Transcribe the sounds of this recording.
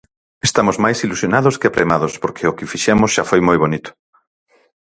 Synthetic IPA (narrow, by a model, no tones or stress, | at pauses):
est̪amozmajsilusjonaðoskeapɾḛmaðospoɾkʰeʊkɪfiʃɛmʊsʃafojmojβonit̪ʊ̥